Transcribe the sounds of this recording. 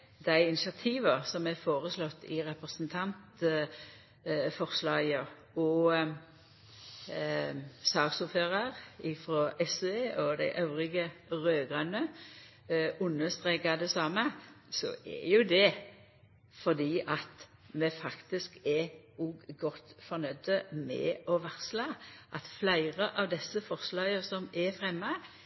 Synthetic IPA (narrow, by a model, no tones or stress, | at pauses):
d̪̥æɪɪnɪʃɑt̪ʰiːʋɑsɔmɛfoːʁəslɔt̪ːɪʁɛpɾəsnt̪ʰɑnt̪ | fɔʁslɑːɡə | ɔ | sɑːɡsuføːʁɑʁɪfɾɔʔɛseɔd̪æ̰ɪʔɑʉʁɪɡəʁøːɡʁɑnə | ʊnːəst̪ʁeːkɑd̪ɛsɑːməsɔ̰ʔɛ̰jʊd̪ɛ | fɔʁd̪iːʔɑt̪mɛfɑkt̪ɪskɛuɡɡɔt̪fɔɾnœd̪əmɛ̰ɔʋæʁslɑʔɑt̪flæɪʁəʔɑʋd̪ɛsːəfɔʁslɑːɡəsɔmɛfɾɛmːə